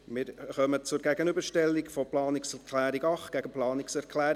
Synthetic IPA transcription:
mɪːɾχœmət͡sʊɾɡæɡənybəʃtɛlːikfɔplɑːnɪksɛrkʰlæːɾiɡɑχtɡ̥æɡəplɑːnɪksɛɾkʰlæːɾ

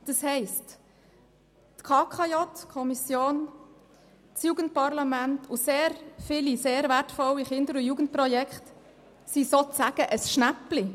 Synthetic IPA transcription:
d̥ɑshɛɪst | tkʰɑːkʰɑjɔtkʰɔmisjoːn | t͡sjuːɡən̩t̚pɑɾlɑmæntʰʊseːɾfɪliseːɾʋæɾtfɔliχɪndəɾʊjuːɡ̥ən̩t̚pɾɔjɛkχt | sisot͡sæɡ̥əʔəsʃnæpli

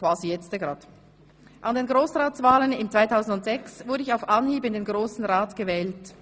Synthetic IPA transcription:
kv̥aːzijɛt͡stəɡʁaːt | ʔandeːnɡʁoːsʁaːtt͡sv̥aːlənɪmt͡sv̥aɪtʰaʊzn̩dʊntz̥ɛksvʊɐɾəɪçaʊfʔɑnhiːbɪndeːnɡʁoːsn̩ʁaːtɡ̥əvɛːlt

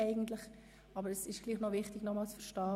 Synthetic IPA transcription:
ɛɪɡn̩tlɪχ | ʔɑbəɾɛsɪʃɡ̥liːχnɔvɪχtɪɡnɔmɑːlt͡sfəɾʃtɑː

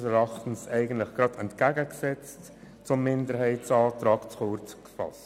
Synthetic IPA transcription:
sɛɾɑχtən̩sɛɪɡən̩tləχɡ̥ɾɑdɛntkæɡəksɛt͡st | t͡sʊmːɪndəɾɦɛɪtt͡sɑːt̪ɾɑːkt͡sχʊɾt͡skfɑ̰st

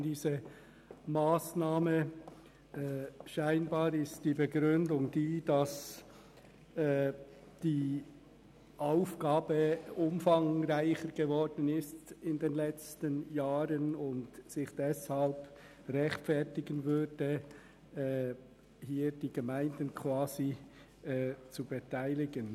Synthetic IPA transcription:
diːzə | maːsnaːmə | ɛʃaɪnbɑːɾɪstd̥iːbəɡɾʏndʊŋdiːd̥ɑs | ɛː | d̥iː | ʔaʊfɡ̥aːbəʊmfɑŋʁaɪçəɾɡ̥əvɔɾd̥ən̩ɪstɪndeːnlɛt͡stənjaːɾənʊntsɪχd̥ɛshɑlp | ʁɛxtfɛɾtɪɡənvʏdə | ɛː | hiːd̥iːɡ̥əmaɪndənkʰv̥aːzi | ɛːt͡subɛtʰaɪlɪɡən

